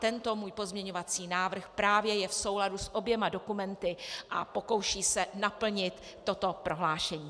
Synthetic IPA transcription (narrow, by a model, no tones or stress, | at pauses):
t̪ɛnt̪omuːjpo̞zmɲɛɲo̞vat͡siːnaːvr̩xpɾaːvjɛjɛfso̞wladusʔo̞bjɛmado̞kumɛnt̪ɪʔa̰po̞ko̞wʃiːsɛnapl̩ɲɪt̪ːo̞t̪o̞pɾʔo̞ɦlaːʃɛɲiː